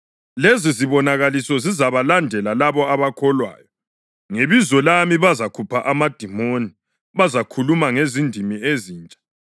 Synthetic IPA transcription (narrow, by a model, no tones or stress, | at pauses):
leziziβɔnaɣalisɔzizaβalandʱɛlalaβɔaβakʰɔlwa̰ːjɔ | ŋeβizɔlamiβazakʰupʰaʔamad̥ʱimoni | βazakʰulumaŋezindʱimieziːnt͡ʃʼḁ